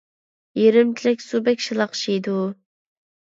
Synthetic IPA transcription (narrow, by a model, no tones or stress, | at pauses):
jeɾɪmt͡ʃʰilɪkʲsubɛkʲʃilˠɑqʰʃijd̪u